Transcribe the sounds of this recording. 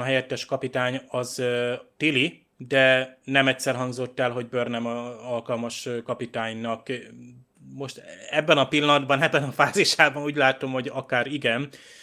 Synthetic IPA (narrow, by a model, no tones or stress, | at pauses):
ɦɛjɛt̪ːɛʃkɒpit̪aːɲɒzt̪ili | d̪ɛnɛmɛcsɛrɦɒŋɡzo̞t̪ːɛlɦo̞ɟ̚børnɛmɒɒlkɒlmɒʃkɒpit̪aːɲnɒk | mo̞ʃt̪ɛbːɛnɒpilːɒnɒd̪bɒnɛbːɛnɒfaːziʃaːbɒnuːɟlaːt̪o̞mho̞ɟɒkaːɾiɡɛn